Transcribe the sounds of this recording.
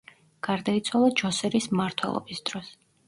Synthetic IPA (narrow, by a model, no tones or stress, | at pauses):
ɡ̥aɾd̪ait̪sʰwalˠad͡ʒɔsɛɾismmaɾt̪ʰwɛ̰lˠɔ̰bisd̪̥ɾɔs